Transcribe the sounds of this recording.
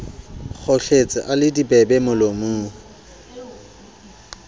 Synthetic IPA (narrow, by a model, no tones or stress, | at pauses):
k͡xʰoɬet͡sʼɪ̰ʔalɪdibɛbɛmʊlomuː